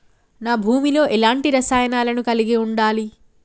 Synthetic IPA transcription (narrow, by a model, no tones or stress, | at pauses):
naːbʱuːmilo̞ːʔɛlaːɳʈiɾɐsaːjɐnaːlɐnukɐliɡiuɳɖaːli